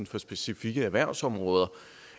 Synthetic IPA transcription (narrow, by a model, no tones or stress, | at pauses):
nfɒ̽sb̥e̝sifiɡ̥əæʋæɐ̰sɒ̽mʁɔːð̞ˠɐ